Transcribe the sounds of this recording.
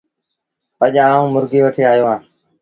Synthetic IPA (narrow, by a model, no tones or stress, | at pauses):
əʄaːũːmʊɾɡeːʋəʈʰeːaːjoːɦãː